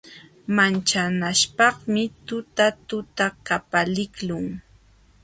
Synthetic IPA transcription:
mant͡ʃanaʃpɑχmɪt̪ʊt̪at̪ʊt̪akapalɪklʊŋ

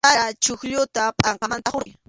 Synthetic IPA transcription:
aat͡ʃʊxʎʊt̪apʼɑɴqɑmant̪aχoɾɪ

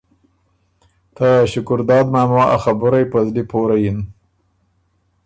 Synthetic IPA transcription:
t̪aɕʊkʊɾd̪ɑːd̪maːmwaʔa̰xabʊɾajpazlipoɾajin

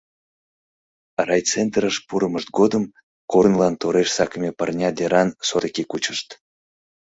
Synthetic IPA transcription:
rɑjt͡sent̪rəʃpuɾəməʃt̪̚ɡod̪əm | kornlɑnt̪oɾeʃsɑkəmʲepərnʲɑd̪eɾɑnsot̪kʲikut͡ɕəʃt̪

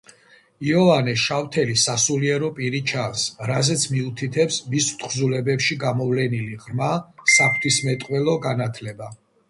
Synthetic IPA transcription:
iɔvanɛʃaft̪ʰɛlisasuliɛɾɔpʼiɾit͡ʃʰansɾazɛt̪sʰmiut̪ʰit̪ʰɛpsmist̪ʰχzulɛbɛpʃiɡamɔvlɛniliʁɾmasapʰt̪ʰismɛt̪ʼqʼwɛlˠɔɡanat̪ʰlɛba

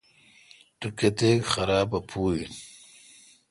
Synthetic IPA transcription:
ʈuket̪ekxɐɾaːbɐpʰuːin

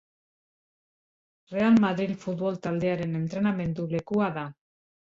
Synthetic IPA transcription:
re̞almaðɾilfut̪βo̞lt̪ald̪e̞aɾe̞ne̞nt̪ɾe̞name̞nd̪ule̞kuaða

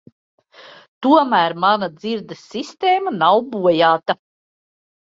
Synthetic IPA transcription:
t̪uɔmæːɾmanad̪ziɾd̪ɐsːist̪eːmanawbuɔjaːt̪a

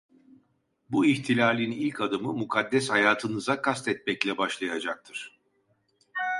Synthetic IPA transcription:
buiçt̪ʰilʲaːlʲinilʲkʰad̪ɯmɯmukʰad̪ːɛshajaːt̪ʰɯnɯzakʰast̪ɛt̪̚mɛclʲɛbaʃlˠajad͡ʒak̚t̪ʰɯɾ̥

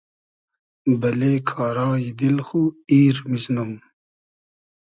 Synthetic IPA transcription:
bɐleːkʰaːɾɑːjid̪ilxuiːɾmiznɐm

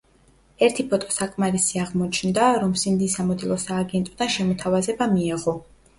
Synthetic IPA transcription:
ɛɾt̪ʰipʰɔt̪ʼɔ̥sakʼmaɾisiaʁmɔt͡ʃʰnd̪aɾɔmsimd̪isamɔd̪ilˠɔsaːɡɛnt̪ʼɔd̪anʃɛmɔt̪ʰavazɛbamiɛʁɔ

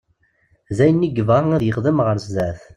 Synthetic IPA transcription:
zæjənːiɡəvʁaŋæðjəχðəmʁəɾszæθ

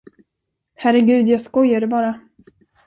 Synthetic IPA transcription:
hæɾɛɡʉ̟ːd̪jaːɡskɔjːaɖɛbɑːɾa

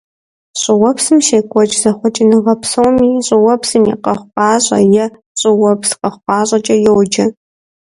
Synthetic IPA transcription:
ɕʼɪwɔpsɨmʃeːkʷʼɔt͡ʃʼzɐχʷʊt͡ʃʼɪnɨʁɐpsowmiːɕʼɪwɔpsɨmjḭqɐχʷqʷɑːɕʼɐ̰jɛ | ɕʼɪwɔpʰsqɐχʷqʷɑːɕʼɐt͡ʃʼɐjɛwd͡ʒɐ

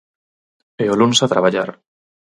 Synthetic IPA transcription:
eolunsat̪ɾaβaʎaɾ

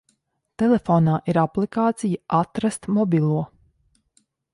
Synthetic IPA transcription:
t̪elefoːnaːʔiɾaplikaːt̪sijəʔat̪ɾast̪mɔbʲilˠuɔ

